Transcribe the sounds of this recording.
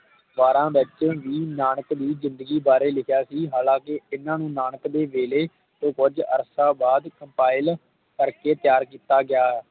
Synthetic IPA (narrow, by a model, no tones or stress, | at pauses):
ʋaːɾãːʋɪt͡ʃʋiːnaːɳəkd̪iːzɪ̃nd̪əɡiːbaːɾeːlɪkʰjaːsiːɦaːlãːkɪɪnãːnũːnaːɳəkd̪eːʋeːleː | t̪õːkʊd͡ʒə̰ɾsaːbaːd̪kəmpaːɪl | kəɾkeːt̪ɪjaːɾkiːt̪aːɡɪaːɦɛː